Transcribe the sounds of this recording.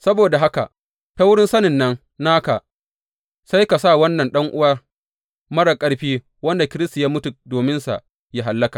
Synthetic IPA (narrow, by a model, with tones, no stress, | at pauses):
sɐ˦boː˨da˨ɦa˦ka̰˨ | ɸa˦wʊ˦ɽɪ˦nsɐ˦nɪ˨nːɐ˦ŋ | naː˦ka˨ | sa˦jka˨saː˦˨wɐ˦nːɐ˨nɗɐ˦ŋʔʊ˦wa˦ | mɐ˦ɽa˨kʼɐ˦ɽɸiː˦ | wɐ˦nda˨kʲɪ˦ɾɪ˦sta˨jaː˦mʊ˦tʊ˨doː˨mɪ˦nsa̰˨ʔ | ja˦ɦa˨lːɐ˦ka˨